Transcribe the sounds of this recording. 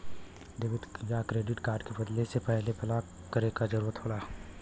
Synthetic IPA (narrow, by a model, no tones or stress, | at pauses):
d̪ɪʋɪt̪kjakɾeːɖɪʈkaːɾɖkebəd̪lesepɛɦlebʰʱɐla | kəɾekad͡ʒɐɾuːɾət̪ɦoːɽaː